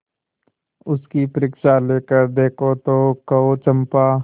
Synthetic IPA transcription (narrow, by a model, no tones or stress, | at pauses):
ʊskipəɾɪkʃaleːkəɾd̪eːkʰot̪oːkɐot͡ʃə̃mpaː